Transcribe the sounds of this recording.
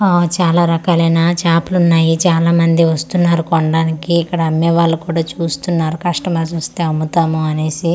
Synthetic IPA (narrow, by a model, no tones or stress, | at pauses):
ot͡ʃaːlaːɾɐkaːlɐjnaːt͡ʃaːpulunːaːjit͡ʃaːlaːmɐnd̪iʋɐst̪unːaːɾukoɳɖaːnikiːkːɐɽɐɐmːɛːʋaːɭːukuːɽaːt͡ʃuːst̪unːaːɾukɐʂʈɐmɐːs̬ɐst̪eːɐmːut̪aːmuɐne̞ːsi